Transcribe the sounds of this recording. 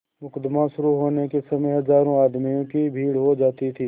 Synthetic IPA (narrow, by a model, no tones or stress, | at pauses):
mʊkəd̪maʃʊɾuɦoːnekesɐməjɦɐzaːɾõaːd̪mijõkibʱiːɽɦod͡ʒaːt̪it̪ʰiː